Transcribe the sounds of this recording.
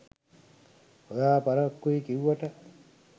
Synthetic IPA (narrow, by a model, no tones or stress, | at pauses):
ojaːpaɾɐkːuikiwaʈɐ